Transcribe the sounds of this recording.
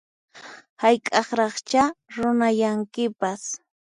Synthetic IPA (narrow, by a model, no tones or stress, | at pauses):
hajkʼɑχɾɑχt͡ʃaɾʊnajaŋkɪpas